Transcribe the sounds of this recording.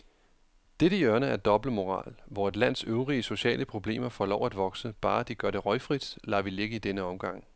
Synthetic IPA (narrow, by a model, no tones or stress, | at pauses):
d̥eɾəiɶɐnəæɐd̥ɒ̽b̥ləmo̝ʁɑ̰̈ːlʋɒe̝d̥læn̰søʊʁiəso̝ɕɛ̰ːləpʰʁo̝b̥le̝̰ːmɐfɒlɒ̰ʊ̰æd̥ʋɒ̽ɡ̥səb̥ɑ̈ːd̥iɡ̥ɶɐɾ̥e̝ʁɒ̽ɪfʁid̥lɑ̈ːʋile̝ɡ̥əid̥enəɒ̽mɡ̥ɑ̈ŋ̰